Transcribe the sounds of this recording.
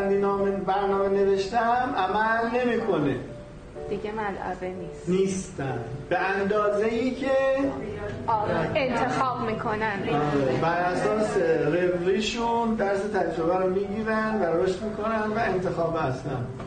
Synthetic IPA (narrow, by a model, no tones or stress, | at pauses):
nd̪inɒːmebæɾnɒːme̞ne̞ve̞ʃt̪æmʔæmælne̞miːkʰo̞ne | d̪̥iɟemælʔæ̰venisniːst̪ænbe̞ænd̪ɒːzeiːcʰe | ent̪ʰexɒːbmiːkʰonænɒɾebæɾʔæsɒːserebɾiːʃund̪æɾse̞t̪ʰæd͡ʒɾo̞bæɾomiːɟiːɾænd̪væɾoʃt̪miːkʰo̞nænd̪væe̞nt̪ʰe̞xɒːbæst̪æm